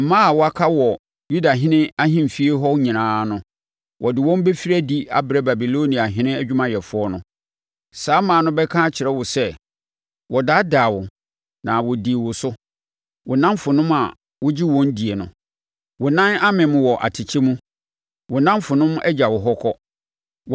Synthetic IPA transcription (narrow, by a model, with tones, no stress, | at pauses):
m̩˨mã˦a˨wʊ˦a˦kʰa˦wɔ˨ | ju˦da˨ɦɪ̃˦nɪ̃˦a˦ɦɪ̃˦m˨fi˦e˦ɦɔ˦ɲĩ˨nãː˦nʊ̃˦ | wʔɔ˨dɪ˨wɔ̃˦m˦be˦fi˦ɾæ˦di˦a̰˦bɾɛ˦ba˨bi˨lo˦nĩ˨a˨ɦɪ̃˦nɪ̃˦æ˦d͡ʑᶣu˦mã˦jɛ˨fʊ˦ɔ˦nʊ̃˦ | saː˦mãː˨nʊ̃˦bɛ˦kʰã˦t͡ɕʰɪ˨ɾɛ˦wʊ˨sɛ˦ | wɔ˨da˦daː˨wʊ˨ | nã˨wʊ˨di˨wʊ˨sʊ˦ | wʊ˨nã˦mfʊ˨nʊ̃˦ma˨ | wʊ˦d͡ʑi˦wɔ̃˦n˦di˨e˨nʊ̃˨ | wʊ˨nã˦na˦mɪ̃˨mʊ̃˨wɔ˨ʔa̰˨tʰɪ˨t͡ɕʰɛ˦mũ˦ | wʊ˨nã˦mfʊ˨nʊ̃˦m˦ɛ̰˦d͡ʑa˨wʊ˨ɦɔ˦kʰɔ˦